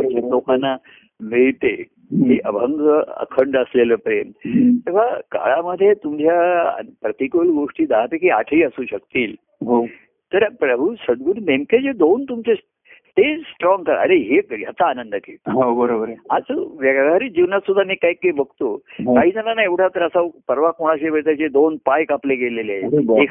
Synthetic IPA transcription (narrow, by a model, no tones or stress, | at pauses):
ət͡ɕelokanːa | miɭt̪e | ɦiʔəbʱəŋɡəə̰kʰəɳɖəsleləpɾemt̪ekaka̰ɭaməd̪ʱːjet̪umd͡ʑja̰pɾət̪ikoɭɡoʂʈiːd̪aɦt̪ekia̰ʈʰiːəsuːɕəkt̪iːl | ɦo | t̪əɾpɾəbʱusəd̪ɡuɾnemked͡ʑed̪ont̪umt͡se | t̪esʈɾɔ̃ŋɡkəɾə̰ɾeɦekɡjat͡s̪aːnənd̪ək̪ḛːɦobəɾobəɾat͡səʋeɡaɡaɾiːd͡ʑiʋnat̪sud̪ʱːamiːkaikːaibəɡ̚t̪oɦkaɦiːd͡zənanaeʋʈʰat̪əɾəsapəɾʋakoɽ̃aɕeʋeɭt̪at͡ɕed̪onpajkaplekeleleek